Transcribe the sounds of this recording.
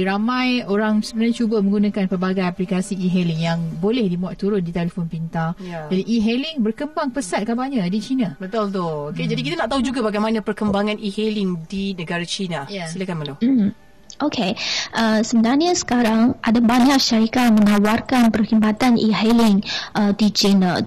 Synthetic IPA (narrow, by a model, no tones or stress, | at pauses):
iɾamãjoɾaŋsəbənarɲat͡ʃubəmə̃ŋɡunãkanpərbaɡajaplikasiiɦeliŋjaŋbolɛhdimuaʔt̪uɾʊndit̪elefonpint̪ajad͡ʒadiʔiɦelɪŋbərkəmbaŋpəsat̪̚kabaɲadit͡ʃinabət̪ʊlt̪ooked͡ʒadik̬it̪anaʔt̪aɦud͡ʒuɡabaɡajmanãpərkəmbaŋãnʔihelɪŋdinəɡaɾat͡ʃinajasilakanmalo | ʔokʰeʔəsəbənarɲəsə̥kaɾaŋʔadabaɲak̚ʃaɾikat̚mənawarkanpərhimbat̪anʔḭɦelɪŋʔət̪id͡ʒɪnə